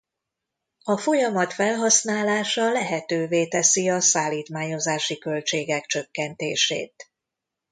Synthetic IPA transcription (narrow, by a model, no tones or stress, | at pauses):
ɒfo̞jɒmɒt̪fɛlɦɒsnaːlaːʃɒlɛɦɛt̪øːveːt̪ɛsiɒsaːlːiːt̪maːɲo̞zaːʃikø̞lt͡ʃeːɡɛkt͡ʃø̞kːɛnt̪eːʃḛːt̪